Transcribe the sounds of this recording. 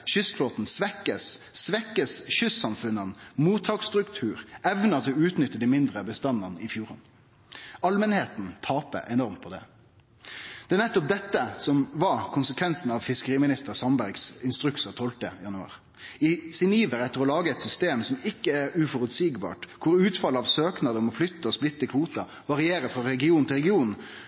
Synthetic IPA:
ʃʏsfloːt̪n̩sʋɛkːəssʋɛkːəsʃʏsːɑmfʉnənmuːt̪ʰːɑːkst̪ɾʉkt̪ʰʉːɾʔɛʋnət̪ʰɪɔʉːt̪nʏt̪ːəd̪imɪnd̪ʁəbəst̪ɑnːɑnəɪfjuːʁə̰n | ɑlmənheːt̪nt̪ʰɑːpə̰ʔɛnɔʁmt̪̚pʰɔd̪ɛ̰ | d̪̥ɛæːnɛt̪ːɔp̚d̪ɛt̪ːəsɔmʋɑkʰʊnsəkʰʋɛnsn̩ɑʋfɪskəɾiːmɪnɪst̪əʁsɑmbæɾɡsɪnst̪ɾʉksət̪ʰɔlt̪ə̰jɑnʉɑ̰ːʁ | ɪsɪniːʋəɾɛt̪ːəɾɔlɑːɡəɛt̪sʏst̪eːmsɔmɪkːəæɾʉfɔɾʉt̪siːɡbɑ̰ːʈkʰʊɾʉːt̪fɑləɑʋsøːknɑd̪əɔmɔflʏt̪ːəɔsplɪt̪ːəkʰʋuːt̪ɑ | ʋɑʁɪeːɾəfʁɑɾɛɡɪuːnn̩ʰɪlʁɾɛɡɪuːnn̩

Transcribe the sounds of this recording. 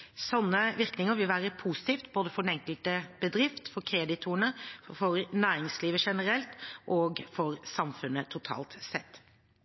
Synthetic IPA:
sɔnːəʋɪɾknɪŋəɾʋɪlʋæːɾəpʰusɪ̥t̪iːft̪boːd̪əfɔɾɛnɛŋkəlt̪əb̥əd̪ɾɪft̪fɔɾkʰɾɛːd̪ɪt̪ʰuːəɳəfɔɾnæːɾɪŋsliːʋəʂɛnəɾɛlt̪ʔɔːɡfɔɾsɑmfʉnːət̪ʰʊt̪ʰɑ̰ːlt̪sɛt̪ː

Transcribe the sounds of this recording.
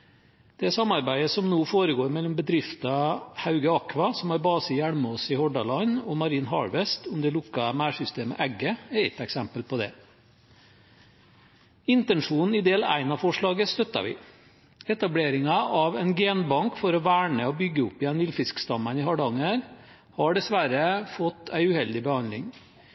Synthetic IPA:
d̪̥ɛæsɑmːɑɾbæɪd̪əsɔmnoːfoːɾəɡoːɾmɛlːɔmbəd̪ɾɪft̪ɑhɑʉɡəɑkʋɑsɔmɑɾbɑːsəjæɽməɔsɪhɔɖɑlɑnɔmɑɾiːnɦɑ̰ɹʋɛst̪ʊmd̪ɛlʊkːɑmæːʂʏst̪eːmə̰ʔæɡːəɛɾɛt̪ːɛksɛmpəlpʰɔd̪ɛ̰ | ɪnt̪ɛnʂuːnn̩ɪd̪eːlæ̰ɪnɑfɔʂɭɑːɡəst̪œt̪ːɑ̰ʋɪ̰ | ɛt̪ɑbleːɾɪŋɑʔɑʋɛɪnɡeːnbɑŋkfɔɾɔʋæːɳəɔbʏɡːəʊpːɪjɛnʋɪlfɪskst̪ɑmənɪhɑɖɑŋəɾ | hɑɖɛsʋæɾəfɔt̪ːæɪʉhɛld̪ɪbəhɑnlɪ̰ŋ

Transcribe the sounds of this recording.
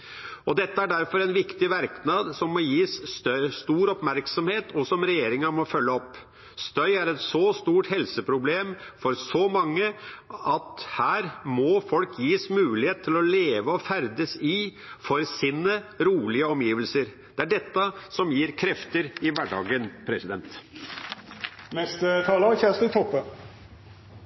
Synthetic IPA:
ɔd̪ɛt̪ːəæɖæɾfɔɾɛnʋɪkt̪ɪʋæɾknɑd̪sɔmːɔjiːsst̪œst̪uːɾɔpmæɾksɔmheːt̪ʰɔsɔmɾɛjeːɾɪŋəmɔfœlːəɔpː | st̪œʏæɾɛt̪sɔst̪uːʈhɛlsəpʰɾʊbleːmfɔɾsɔmɑŋːəɑt̪hæːɾmɔfɔlkʰjiːsmʉːlɪheːt̪̚t̪ʰːɪlɔleːʋəɔfæɾd̪əsɪfɔɾsiːnəɾuːlɪəɔmjiːʋəlsəɾ | d̪̥ɛæɖɛt̪ːəsɔmjiːɾkʰɾɛft̪əɾɪʋæɖɑ̰ːɡənpʰɾɛsɪd̪ɛnt̪ | nɛst̪ət̪ʰɑːləçæːst̪ɪt̪ʰɔpːə

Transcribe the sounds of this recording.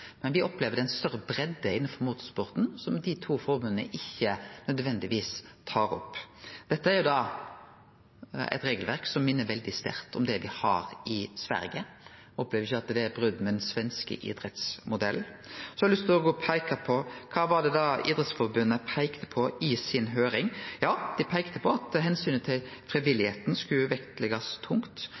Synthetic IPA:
mɛnʋɪʔɔpleːʋəd̪ɛɪnst̪œɾəbɾɛd̪ːəɪnːənfɔɾmuːt̪ɔspʊʁt̪n̩sɔmd̪ɪt̪ʰuːfɔɾbʉnənə̰ʔɪçːənœd̪ʋɛnd̪ɪʋiːst̪ʰɑːɾɔ̰pːd̪̥ɛt̪ːəæɾjʊd̪ɑ | ɛ̰t̪ɾeːɡəlʋæɾksɔmmɪnːəɾʋɛld̪ɪst̪æ̰ɾt̪ɔmd̪ɛʋɪhɑ̰ɾɪsʋæ̰ɾɡə | ɔpleːʋɾɪçːɑt̪d̪ɛæɾbɾʉd̪ːmɛɛnsʋɛnskə̰ʔɪ̰d̪ɾɛt̪smʊd̪ɛ̰lːsɔlʏst̪ɪlɔɡoːpʰæɪkɑpʰɔkʰɑːʋɑʁd̪ɛd̪ɑḭːd̪ɾɛt̪sfɔɾbʉnːəpʰæɪkt̪ə̥pʰɔɪsɪnɦøːɾɪŋjɑːd̪̥ɪpʰæɪkt̪əpʰɔɑt̪ɦɛnsyːnət̪ʰɪlfɾiʋɪlːɪheːt̪n̩skʉʋɛkt̪lɛɡɑst̪ʰʊŋkt̪

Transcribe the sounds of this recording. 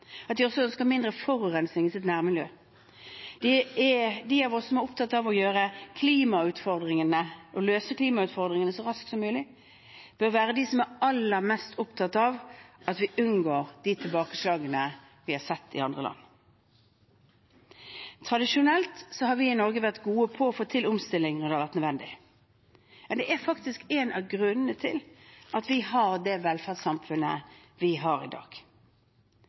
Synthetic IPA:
ɑt̪ʋ̪ɪɔsːɔœnskəɑmɪnd̪ʁəfɔɾʉːʁɛnsnɪŋɪsɪt̪næːʁmɪljøː | d̪̥ɛ | d̪ɪɑʋɔsːɔmɛɾʊpt̪ʰɑt̪ːɑʋɔjøːɾəkʰliːmɑʉːt̪fɔʁd̪ʁɪŋənəʔɔløːsəkʰliːmɑʉːt̪fɔʁd̪ʁɪŋənəsɔʁɑsksɔmːʉːlɪ | b̥œɾʋæːɾəd̪ɪsɔmɛɾɑlːəɾmɛst̪ʊpt̪ʰɑt̪ːɑʋɑt̪ʋɪʔʉnɡoːɾd̪̥ɪt̪ʰɪlbɑːkəslɑːɡənə | ʋɪhɑɾsɛt̪ːɪ̰ɑnd̪ʁəlɑ̰nː | t̪ʰʁɑd̪ɪʃʊnɛlt̪sɔhɑɾʋɪɪnɔʁɡəʋæʁt̪ɡuːəpʰɔːfoːt̪ʰːɪlʊmst̪ɪlːɪŋʁd̪ɛhɑʋæʁt̪nd̪ʋɛnd̪ɪ | mɛnd̪ɛʔæɾfɑkt̪ɪskenɑ̰ʋɡʁʉnənət̪ʰɪ̰lʔɑt̪ʋɪhɑʁd̪ɛʋɛlfæʁsɑmfʉnə̰ | ʋɪɦɑːɾɪ̰d̪ɑ̰ːɡ̥

